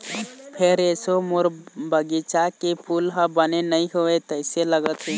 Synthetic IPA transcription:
pʰeɾesomoɾbəɡit͡ʃakepʰulɦə̃bənenəĩɦoet̪əɪseləɡət̪ɦe

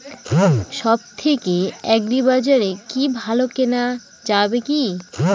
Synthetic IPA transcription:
ʃɔb̚t̪ʰekeɛkɖibad͡ʑaɾekibʱalokena | d͡ʑabeki

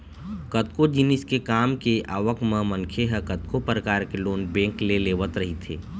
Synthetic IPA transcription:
kət̪̚kod͡ʒɪnɪskekaːmkeʔaːʋəkmə̃mənkʰeɦɛkɐt̪̚kopɾəkaːɾkeloːnbẽːŋkleleːʋət̪ɾɐɦit̪ʰeː

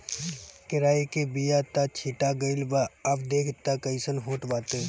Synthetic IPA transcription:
kɪɾaːikebijat̪at͡ʃʰiːʈaɡəɪlbaɐpd̪eːkʰt̪akəɪsənɦoːʈʋaːt̪eː

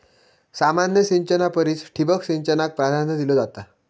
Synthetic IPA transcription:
samanjəɕiɲt͡ɕənapəɾiːt͡sʈʰibəkɕiɲt͡ɕənak̚pɾad̪ʱanjəd̪ilod͡zat̪a

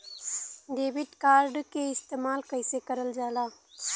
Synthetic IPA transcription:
ɖ̪eːbɪʈkaːɾɖkeɪst̪eːmaːlkəɪsekɐɾəld͡ʒaːlaː

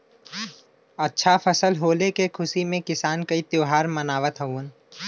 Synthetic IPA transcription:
ɐtːʃʰafʰəsəlɦoːlekekʰʊsimẽkɪsaːnkɐit̪joːɦaːɾmɐnaːʋət̪ɦɐuən

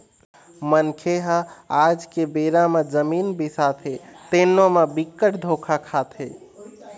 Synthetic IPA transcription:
mənkʰeɦəad͡ʒkebeɾamed͡ʒəminbisat̪ʰet̪enːomebikːəʈd̪ʱokʰakʰat̪ʰe

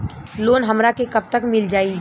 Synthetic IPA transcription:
loːnɦɐmɾakekɐb̚t̪əkmɪld͡ʒaːi

